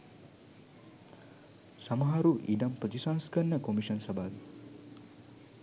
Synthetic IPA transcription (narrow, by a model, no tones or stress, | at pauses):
samɐɦaɾuʔidamprət̪isaːnskənːəkomiʃənsɐbaːʋi